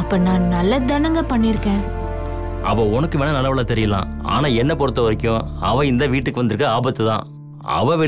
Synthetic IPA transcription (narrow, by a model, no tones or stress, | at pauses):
ɐpːɐnãːnɐlːɐd̪ɐnɐŋɡɐpɐɳːɪɾɯkːẽː | ʔɐ̰ʋɐːɔnɐkːɯʋeːɳɐnɐlːɐʋɐlaːt̪ɛɾɪjɐlã̰ːa̰ːnaːɛnːɐpɔɾɯt̪ːɐʋɐɾɪkʲːʊ̃ɐʋɐ̃ɪnd̪ɐʋiːʈːɯkːɯʋɐnd̪ɪɾɯkːɐaːbɐt̪ːɯt̪ã̰ː | ɐ̰ʋɐ̃ʋɛ